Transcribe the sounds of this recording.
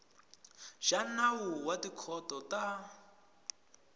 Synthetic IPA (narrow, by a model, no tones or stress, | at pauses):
ʒ̥anawuwadikʰɔtɔta